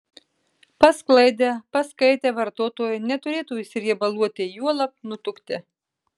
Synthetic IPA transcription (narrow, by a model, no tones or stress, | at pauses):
pɐsklˠɐɪd̪ʲepɐskɐɪt̪ʲeːʋɐɾt̪oːt̪oːjʊnʲɛt̪ʊɾʲeːt̪uːɪsʲɪɾʲiɛbɐlˠuɔt̪ʲɪjuɔlˠɐp̚nʊt̪ʲʊkt̪ʲɛ